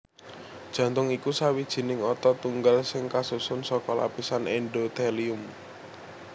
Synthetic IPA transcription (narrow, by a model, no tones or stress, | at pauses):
d̥ʒ̥ä̤nt̪ʊŋikusawid̥ʒ̥i̤nɪŋɔt̪ɔt̪uŋɡalsɪŋkasusʊnsɔkɔla̰pisanɛnɖot̪ɛliʊm